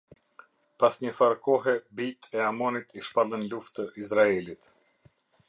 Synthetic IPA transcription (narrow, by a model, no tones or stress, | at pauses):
pasɲəfaɾkɔɦɛbit̪ʰɛamɔnit̪ʰiʃpalˠənluft̪əʔizɾaɛlit̪